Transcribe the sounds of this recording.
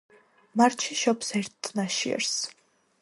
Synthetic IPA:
maɾt͡ʃʰiʃɔpʰsɛɾt̪ːʼnaʃiɛ̰ɾs

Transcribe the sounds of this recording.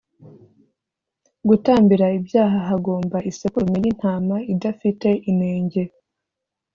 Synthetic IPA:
ɡutaːmbiɾaibjaːɦaɦaɡo̞ːmbaʔisekuɾmejin̥haːmaidafite̞ʔine̞ːɲɟe̞

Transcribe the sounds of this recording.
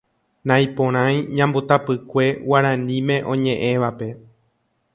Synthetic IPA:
nãj̃põɾ̃ãj̃ɲãmbot̪apɨkʷe̞waɾãnĩmẽ̞ʔõ̞ɲẽ̞ʔẽ̞ʋape̞

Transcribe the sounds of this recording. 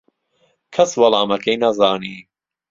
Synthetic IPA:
kʰɐswɐlɑːmɐkejnɐzaːniː

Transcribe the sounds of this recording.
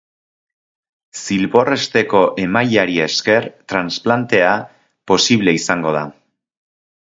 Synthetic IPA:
silβo̞re̞st̪e̞ko̞ʔe̞majaɾie̞ske̞ɾt̪ɾansplant̪e̞a | po̞siβle̞isaŋɡo̞ð̞a

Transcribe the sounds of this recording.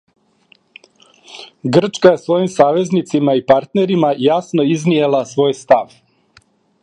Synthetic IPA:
ɡr̩t͡ʃkaje̞sʋo̞jimsaːʋe̞znit̪simaipaɾt̪ne̞ɾimajasnoiznijelˠasʋo̞ːjst̪aʋ

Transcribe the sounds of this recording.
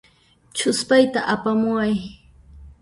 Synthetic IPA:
t͡ʃʊspajt̪aʔapamʊaj

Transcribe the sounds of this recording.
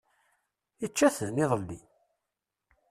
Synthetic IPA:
ət͡ʃːæθəðnɪðˤəlːi

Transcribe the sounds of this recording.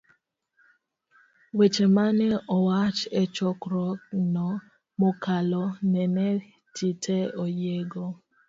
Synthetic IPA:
wet͡ʃemanɛɔwat͡ʃɛt͡ʃɔkɾɔknɔ | mokalɔnɛnɛ | titʰɛɔjeɡɔ

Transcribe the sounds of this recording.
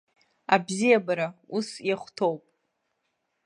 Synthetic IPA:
abzijabaɾausjaχʷtʰowpʼ

